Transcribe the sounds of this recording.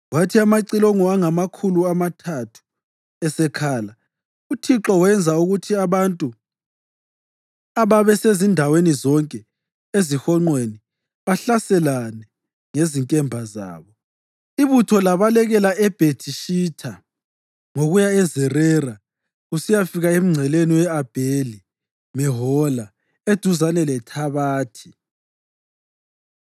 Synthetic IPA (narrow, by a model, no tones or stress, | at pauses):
watʰiamaǀiloŋɔaŋamakʰuluamatʰatʰu̥ | ɛsɛkʰaːla | utʰiǁɔwɛnd͡zʱauɣutʰiaβantʼu | aβaβɛsezindʱawenizɔŋkʼɛ | ezixɔŋ͡ǃweni | βaɬasɛlanɛ | ŋeziŋkʼɛmbʱaza̰ːβɔ | iβutʰɔlaβalɛɣɛlaɛb̥ʱetʰiʃiːtʰa | ŋoɣujaɛzɛrɛra | usijafiɣaem̩ŋ͡ǀʱɛleniwɛab̥ʱeli | mɛɦɔla | ed̥ʱuzanɛlɛtʰaβaːtʰi̥